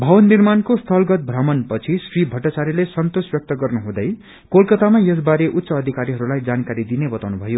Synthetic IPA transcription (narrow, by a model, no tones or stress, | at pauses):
bʱʌwʌnːirmankost̪ʰʌlɡʌt̪̚bʱrʌmʌnpʌt͡sʰisribʱʌʈːat͡saɾilesʌnt̪osbjʌk̚t̪ʌɡʌrnuɦũd̪ʌj | kolkʌt̪amajʌs̬baɾeʔut̪ːsʌːd̪ʱikaɾiɦʌɾulajd͡zankaɾid̪inebʌt̪awnubʱʌjo